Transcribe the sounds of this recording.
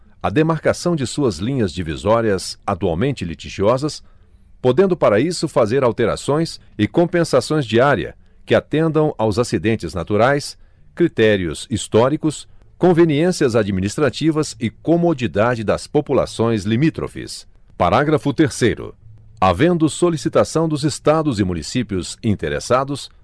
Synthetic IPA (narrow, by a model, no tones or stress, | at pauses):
ɐd̪emaɾkasɐ̃w̃d͡ʒɪsuɐzlĩɲɐzd͡ʒivḭzɔɾiɐzat̪ua̰wmẽnt͡ʃɪlit͡ʃiʒiɔzɐs | pod̪ẽnd̪ʊpaɾɐisʊfazeɾawt̪eɾa̰sõj̃s | ɪkõpẽsasõj̃zd͡ʒiaɾiɐ̰ | kɪat̪ẽnd̪ɐ̃w̃ʔawzasid̪ẽnt͡ʃɪznat̪uɾajs | kɾit̪ɛɾiʊ̰sist̪ɔɾikʊskõveniẽsiɐzad͡ʒiminist̪ɾat͡ʃivɐzɪkomod͡ʒid̪ad͡ʒɪd̪ɐspopula̰sõj̃zlimit̪ɾo̰fḭs | pa̰ɾaɡɾɐfʊt̪eɾsejɾʊ̰ | a̰vẽnd̪ʊsolisit̪asɐ̃w̃d̪ʊzest̪ad̪ʊzɪmũnisipiʊzĩnt̪eɾḛsad̪ʊs